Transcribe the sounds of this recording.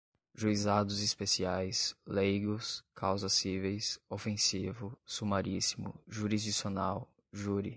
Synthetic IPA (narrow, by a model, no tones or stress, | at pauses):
ʒuizad̪ʊzispesiajslejɡʊskʰawzɐsivejsofẽsivʊsumaɾisimʊ̰ʒuɾizd͡ʒisionaw | ʒuɾi